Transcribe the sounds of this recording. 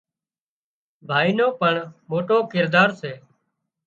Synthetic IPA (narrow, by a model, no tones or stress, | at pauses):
bʱaːiːnoːpəɳmoːʈõːkɪɾd̪aːɾseː